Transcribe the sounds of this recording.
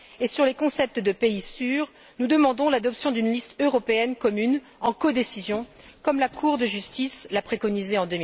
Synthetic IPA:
esyʁlekɔ̃sɛp̚t̪d̪əpeisyːʁ | nud̪əmɑ̃d̪ɔ̃lad̪ɔpsjɔ̃d̪ynlist̪øʁɔpeɛnkɔmyn | ɑ̃kɔd̪esizjɔ̃ | kɔmlakʰuʁd̪əʒyst̪islapχekɔnizeɑ̃d̪ømi

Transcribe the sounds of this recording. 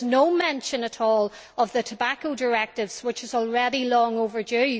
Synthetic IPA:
noʊmɛ̃nʃə̃nəɾɔːlˠ | əvðətʰəbakoʊdə˞ɛk̚tɪvz̥wɪt͡ʃɪzɔl̩ˠɹɛɾilɔ̃ŋovə˞də

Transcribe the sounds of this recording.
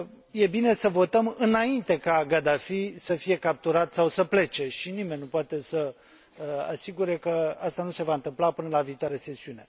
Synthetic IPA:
je̞bine̞səvo̞t̪əmɨnaint̪e̞kaɡad̪afisəfije̞kap̚t̪uɾat̪sawsəple̞t͡ʃe̞ʃinime̞nʲnupoat̪e̞sə | a̰siɡuɾe̞kəast̪anuse̞vaɨnt̪ɨmplapɨnəlaviːt̪oaɾease̞siune̞

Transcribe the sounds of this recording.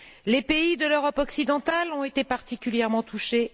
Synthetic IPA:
lepeid̪əløʁɔpɔksid̪ɑ̃t̪alɔ̃et̪epaʁt̪ikʲyljɛʁmɑ̃t̪uʃe

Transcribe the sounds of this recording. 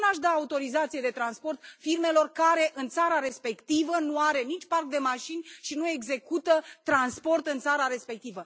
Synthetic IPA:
naʃd̪aːut̪o̞ɾizat̪sije̞d̪e̞t̪ɾanspo̞rt̪firme̞lo̞rkaɾe̞ʔɨnt̪saɾaɾe̞spe̞kt̪ivənuaɾe̞nit͡ʃʲparkd̪e̞maʃinʲʃinue̞ɡze̞kut̪ət̪ɾanspo̞rt̪ɨnt̪saɾaɾe̞spe̞k̚t̪ivə

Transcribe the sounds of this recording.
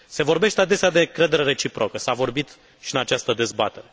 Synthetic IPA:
se̞vo̞rbe̞ʃt̪ead̪e̞sead̪e̞ɨŋkɾe̞d̪eɾe̞ɾet͡ʃipɾʔokəsavo̞rbit̪ | ʃiɨnat͡ʃast̪əd̪e̞zbat̪e̞ɾe̞

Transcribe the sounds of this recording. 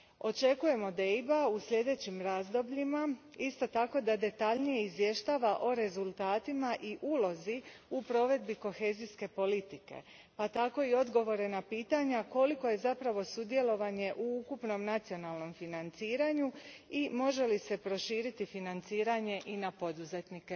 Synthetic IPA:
o̞t͡ʃe̞kuje̞mo̞d̪ejbausʎʲe̞d̪e̞t͡ɕimɾazd̪o̞bʎima | ist̪o̞t̪ako̞d̪ad̪e̞t̪aʎnije̞izʋje̞ʃt̪aːʋaʔo̞ɾe̞zulˠt̪aːt̪imaʔiʔuːlo̞ziupɾo̞ʋe̞d̪biko̞xe̞ːziske̞po̞lit̪ike̞̰ | pat̪ako̞io̞d̪ɡo̞ʋo̞ɾe̞napiːt̪aɲako̞liko̞je̞zapɾaʋo̞sud̪je̞lo̞ʋaɲe̞ʔuukupno̞mnat̪sio̞nalno̞mfinant̪siːɾaɲuimo̞ʒe̞lise̞pɾo̞ʃiːɾit̪ifinant̪siːɾaɲe̞ʔinapod̪uze̞t̪nike

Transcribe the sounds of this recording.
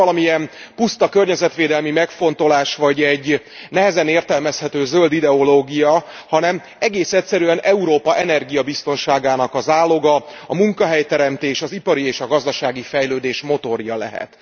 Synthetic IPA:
ɒlɒmiɛmpust̪ɒkørɲɛzɛt̪ʋeːd̪ɛlmimɛkfo̞nt̪o̞laːʃʋɒɟɛɟː | nɛɦɛzɛneːrt̪ɛlmɛshɛt̪øːzø̞ld̪id̪ɛo̞loːɡijɒ | hɒnɛm | ɛɡeːsɛcʲsɛɾyɛnɛuɾoːpɒʔɛnɛrɡijɒbist̪o̞nʃaːɡaːnɒkɒzaːlːo̞ɡɒ | ɒmuŋkɒɦɛjt̪ɛɾɛmt̪eːʃɒzipɒɾieːʃɒɡɒzd̪ɒʃaːɡifɛjløːd̪eːʃmo̞t̪o̞rjɒlɛ̰ɦɛ̰t̪

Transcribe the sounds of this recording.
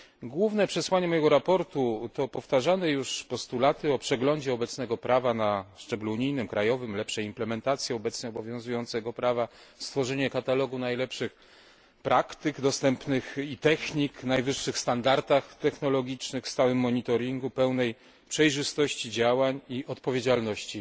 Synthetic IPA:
ɡwuvnɛpʂɛswaɲɛmɔjɛɡɔɾapɔɾt̪ut̪ɔpɔft̪aʐanɛjuʂpɔst̪ulat̪ɘɔpʂɛɡlɔɲd͡ʑɛɔbɛt̪snɛɡɔpɾavanaʂt͡ʂɛbluuɲijnɘmkɾajɔvɘmlɛpʂɛimplɛmɛnt̪at̪sʲjɛɔbɛt̪sɲɛɔbɔvʲjɔ̃ñzujɔnt̪sɛɡɔpɾavast̪fɔʐɛɲɛkat̪alɔɡunajlɛpʂɘx | pɾʔakt̪ɘɡd̪ɔst̪ɛmpnɘxit̪ɛxɲiknajvɘʂːɘxst̪and̪aɾt̪axt̪ɛxnɔlɔɡʲit͡ʂnɘxst̪awɘmːɔɲit̪ɔɾʲiŋɡupɛwnɛj | pʂɛjʐɘst̪ɔɕt͡ɕid͡ʑawaɲiʔɔt̪pɔvʲjed͡ʑalnɔɕt͡ɕi

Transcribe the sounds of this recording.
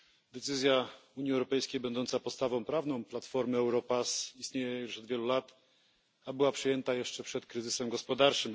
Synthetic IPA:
d̪ɛt̪sɘzʲjauɲjiɛwɾɔpɛjskʲejbɛnd̪ɔnt̪sapɔt̪st̪avɔ̃w̃pɾavnɔ̃w̃plat̪fɔɾmɘɛwɾɔpasist̪ɲejɛjuʂɔd̪vʲjɛlulat̪ | abɘwapʂɘjɛnt̪ajɛʂt͡ʂɛpʂɛt̪kɾɘzɘsɛmɡɔspɔd̪aɾt͡ʂɘm

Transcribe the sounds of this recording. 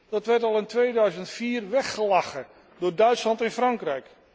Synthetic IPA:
d̥ɑtʋɛɹtɑlˠɪntʋejdœɥzəntfiːrʋɛχːəlaχə | dʊːɹdœɥtslɑntɪnfrɑŋkrɛjk

